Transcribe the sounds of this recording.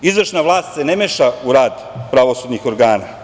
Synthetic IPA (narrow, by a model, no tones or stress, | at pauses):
izʋrʃnaʋlˠaːst̪senemeːʃauɾaːd̪ | pɾaʋo̞sud̪nixo̞ɾɡaːna